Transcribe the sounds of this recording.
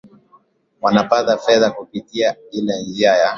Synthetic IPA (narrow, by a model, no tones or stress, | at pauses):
wanapaðafɛðakupitiailɛɲd͡ʒiaja